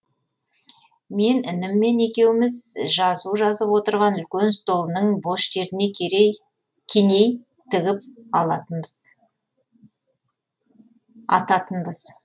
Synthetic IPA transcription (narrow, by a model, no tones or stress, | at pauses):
me̞nɪnɪmːe̞ne̞kʲe̞wɪmɪzʒɑzuʒɑzəpwo̞t̪əɾʁɑnʏlkʲe̞nst̪o̞lˠənəɴbo̞ʃʒe̞ɾɪne̞ | kʲʰene̞j | t̪ʰɪɡʲɪp̚ɑlˠɑt̪əbəz̥ | ɑ̰t̪ɑt̪ənbəz̥